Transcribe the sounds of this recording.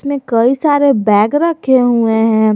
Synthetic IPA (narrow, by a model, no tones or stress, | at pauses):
mẽkɐisaːɾebɛːɡɾɐkʰeɦueɦɛ̃ː